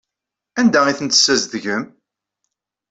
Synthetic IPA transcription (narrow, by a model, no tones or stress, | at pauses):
ænd̪æiθənt̪ə̥sːæzðʝəm